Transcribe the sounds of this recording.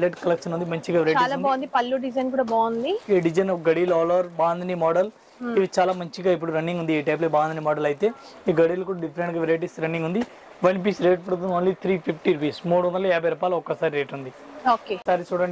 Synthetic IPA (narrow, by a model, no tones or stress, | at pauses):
leʈkɐlɐkʂɐnund̪imɐɲt͡ʃiɡaʋɾɐːt͡ʃaiːlaːbaːnd̪ipɐlːuɖid͡ʒɐjnkuːɽaːbaːnd̪ieːɖid͡ʒɐnɡɐɽiːlɔːlɐɾbaːnd̪ɐnimɔːɖɐl | iʋit͡ʃaːlaːmɐɲt͡ʃiɡaːip̬ːuɽuɾɐnːiŋɡund̪ieːʈɐjp̬lebaːnd̪ɐnimɔːɖɐlɐjit̪e̞ː | iɡɐɽiːlɐkuːɽaːɖipʰɐɾeɳʈɡɐʋiɾejʈ̬isɾɐnːiŋɡund̪i | ʋɐnpiːsɾeːʈ̚pɐɽut̪unːnliːt̪ʰɾiːpʰipʰʈiɾupiːsmuːɽuʋɐnd̪ɐlɐɛːbʱɐjɾɐpaːlɐɔkːɐsaːɾiɾeːʈund̪i | oːkeːsaːɾit͡ʃuːɽaːɳ